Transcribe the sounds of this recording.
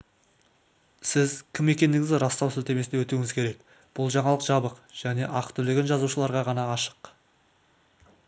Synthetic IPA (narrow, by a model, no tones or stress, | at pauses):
sɪzkʲʰɪme̞kʲe̞nd̪ɪɡɪzɪɾɑst̪ɑwsɪlt̪e̞mesd̪ewɵt̪uɪŋɪzkʲʰe̞ɾe̞k | b̥ʊlˠʒɑɴɑlˠəqʒ̥ɑbəqʒ̥æne̞ʔɑqt̪ʰʏlɪɡʲenʒɑzuʃəlˠɑɾʁɑʁɑnɑːʃə̥q